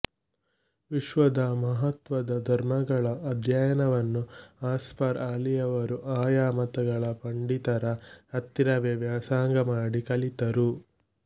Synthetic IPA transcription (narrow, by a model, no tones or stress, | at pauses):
ʋiʃʋɐd̪ɐmɐɦɐt̪ʋɐd̪ɐd̪ʱɐɾmɐɡɐɭɐʔːd̪ʱjajɐnɐʋɐnːuaːspɐɾaːlijɐʋɐɾuʔaːjaːmɐt̪ɐɡɐɭɐpɐɳɖit̪ɐɾɐɐt̪ːiɾɐʋjɐʋjaːsaːŋɡɐmaːɽikɐɭit̪ɐɾu